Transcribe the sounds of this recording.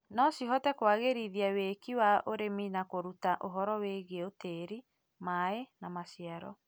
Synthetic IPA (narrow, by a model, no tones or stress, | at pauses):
nɔsiɦɔtɛkwaɣeɾiðiawekiwaʔoɾeminakoɾutaʔoɦɔɾɔweɣeoteɾi | maenamasjaɾɔ